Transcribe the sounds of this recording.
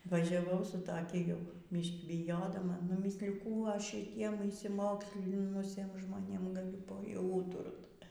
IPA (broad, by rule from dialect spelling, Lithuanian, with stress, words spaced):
ʋɐʒʲɛˈʋɐʊ sʊ tɐˈkʲɪ ˈjɛʊ ˈbʲiːʃʲkʲiː bʲɪˈjoːdɐmɐ nʊˈmʲiːsʲlʲɪjʊ ˈkuː ˈɐʃ ʃʲɪˈtʲiɛm ɪʃʲsʲɪˈmoːksʲlʲɪnʊsʲiɛm ʒmoːˈnʲeːm ɡɐˈlʲʊ ˈpɐ jɛʊ ˈuːtʊrt